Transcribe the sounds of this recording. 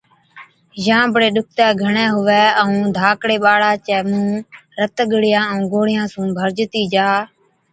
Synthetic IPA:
jãːbɽeːɗʊk̚t̪ɛːɡʱəɳɛ̃ːɦʊʋɛːəũːd̪ʱaːkɽeːɓaːɽaːt͡ʃɛːmũːɾət̪ɡəɽɪjãːəũːɡʱoːɽɪjãːsũːbʱəɾd͡ʒt̪iːd͡ʒaː

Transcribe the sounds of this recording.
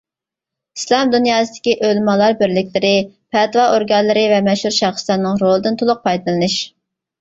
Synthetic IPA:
islˠɑmd̪unjɑːsɨd̪̥ɪ̥kʲiʔølmɑlˠɑɾbɪɾlɪkʲlɪɾɪ | pʰɛt̪ʰwɑʔoɾɡɑnlˠɨɾɨvɛmɛʃhuɾʃɑχslɑnːɨŋɾolˠɨd̪ɨnt̪ʰolˠʊq̚pʰɑjd̪ɨlˠɨnɨʃ

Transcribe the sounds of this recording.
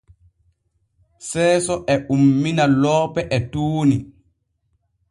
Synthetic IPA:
sɛːsɔʔɛʔumːinalɔːpɛʔɛtuːni

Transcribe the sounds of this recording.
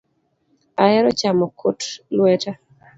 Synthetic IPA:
aɛɾɔt͡ʃamɔkʰotlwɛta

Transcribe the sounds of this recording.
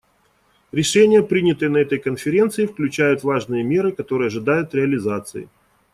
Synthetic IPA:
ɾʲɪʂɛnʲɪjəpɾʲinʲɪt̪ɨjənɐɛt̪əjkənfʲɪɾʲe̞nt̪sɨɪfklʲʉt͡ɕæjʊt̪vaʐnɨjəmʲe̞ɾɨkɐt̪o̞ɾɨjəɐʐɨd̪ajʊt̪ɾʲɪɐlʲɪzat̪sɨ̰ɪ̰

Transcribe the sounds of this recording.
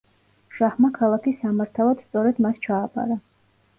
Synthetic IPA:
ʃahmakʰalˠakʰisamaɾt̪ʰalˠad̪st̪sʼɔɾɛd̪mast͡ʃʰaːpʼa̰ɾa

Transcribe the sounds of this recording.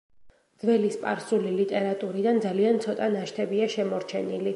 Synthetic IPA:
d̪zvɛlispʼaɾsulilit̪ʼɛɾat̪ʼuɾid̪and̪zaliant̪sʰɔt̪ʼanaʃt̪ʰɛbiaʃɛmɔɾt͡ʃʰɛnili

